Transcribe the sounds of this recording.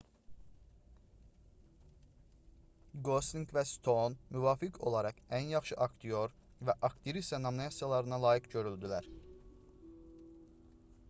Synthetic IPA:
ɡosiŋkvæst̪ʰo̞nmyvɑːfikʰo̞̰lˠɑɾɑχænjɑχʃɯʔɑkt̪ʰio̞ɾ | væʔɑkt̪ʰiɾist̪ænominɑsijɑlˠɑɾɯnɑlˠɑːjikɟø̞ɾyld̪ylæɾ

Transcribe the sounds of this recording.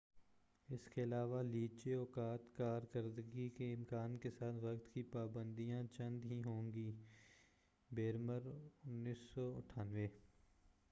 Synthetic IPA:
ɪskeɐlaːʋaliːt͡ʃeɔːkaːt̪kaːɾkəɾd̪əɡikeɪmkaːnkesaːt̪ʰʋɐkt̪kipaːbə̃nd̪ijãt͡ʃɐ̃nd̪ɦiɦõːŋɡiː | beːɾəmbəɾʊnːiːsːɔʊ̰ʈʰaːnʋeː

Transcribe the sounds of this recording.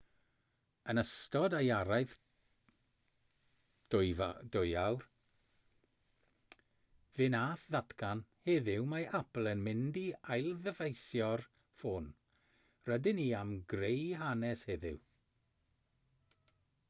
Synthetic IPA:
ənəstɔdajaɾajθ | d̥dʊjawr | vɨnaːθðatkanheðɪwmajʔapl̩ˠənmɪndiajlˠðəvejsjɔr | foːn | rədɪniːamɡrejɦanɛsheðɪ̰w

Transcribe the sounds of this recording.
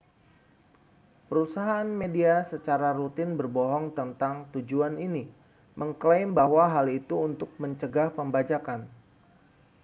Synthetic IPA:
pəɾusaɦaːnmediasət͡ʃaɾaɾut̪ɪnbərbɔɦɔŋt̪ənt̪aŋt̪ud͡ʒuanini | məŋklaɪmbahwaɦalit̪uːnt̪ʊk̚məɲt͡ʃəɡahpəmbad͡ʒakan

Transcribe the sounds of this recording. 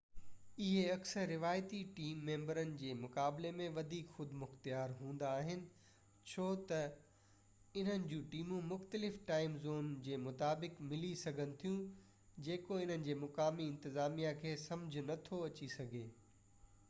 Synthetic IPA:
ɪɦeɐksəɾːɪʋaːjt̪iʈiːmːẽːmbəɾənɪ̆d͡ʑeːmʊkaːblemẽʋɐd̪ʱiːkxʊd̪ʱmʊxt̪jaːɾɦũːn̆d̪aːɦɪnɪ̆ | t͡ɕʰoːt̪ɐ | ɪn̤ənɪ̆d͡ʑũːʈiːmũmʊxt̪əlɪfʈaːɪmzoːnd͡ʑeːmʊt̪aːbɪkmɪlisɐɡʱənɪ̆t̪ʰijũ | d͡ʑeːkoɪn̤ənɪ̆d͡ʑeːmʊkaːmiɪ̃nt̪ɪzaːmijakʰeːsɐ̃md͡ʑʱnɐt̪ʰoɐt͡ɕisɐɡʱeː

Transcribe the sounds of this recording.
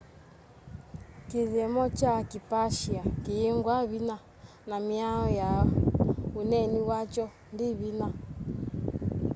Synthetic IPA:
kiðɛmɔt͡ʃakipaʃiakiiŋɡwaβina | namiaɔja | unɛniwat͡ʃɔ | ndiβina

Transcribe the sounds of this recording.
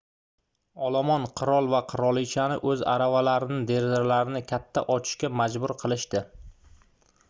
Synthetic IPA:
ɒlˠamɒnqʰɨɾɒlˠvaqʰɨɾɒlˠit͡ʃʰanɪʔɵza̰ɾavalaɾɪnɪd̪e̞ɾzɪɾlaɾɪnɪkʲʰat̪ʰːaʔɒt͡ʃʰɪ̥ʃkʲamad͡ʒbʊɾqʰɨlˠɪʃt̪ɪ

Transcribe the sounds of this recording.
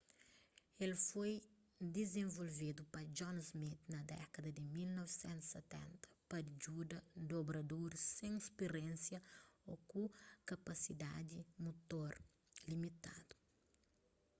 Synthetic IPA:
elfoj | d̪ezẽvolved̪upɐd͡ʒɔ̃nzmit̪nɐd̪ɛ̰kɐd̪ɐd̪imilnɔvisɛ̃nt̪u̥set̪ɛ̰̃nt̪ɐ̥pɐd͡ʒud̪ɐd̪obɾɐd̪oɾsẽŋispeɾɛ̃nsjɐokukɐpɐsid̪ad̪imot̪oɾ | limit̪a̰d̪u̥

